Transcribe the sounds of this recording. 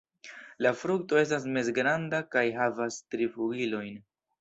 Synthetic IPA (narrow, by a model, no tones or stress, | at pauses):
lafɾuk̚to̞e̞s̬tas̬me̞sɡɾandakajɦavastɾifuɡilo̞jn